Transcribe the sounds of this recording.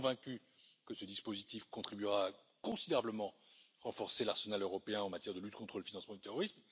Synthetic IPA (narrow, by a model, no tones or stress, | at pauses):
vɛ̃kʲy | kəsəd̪ispozit̪ifkɔ̃t̪χibyʁaː | kɔ̃sid̪eʁabləmɑ̃ʁɑ̃fɔʁselaʁsənaløʁɔpeɛ̃ɑ̃mat̪jɛʁd̪əlyt̪kɔ̃t̪χələfinɑ̃smɑ̃d̪yt̪eʁɔʁism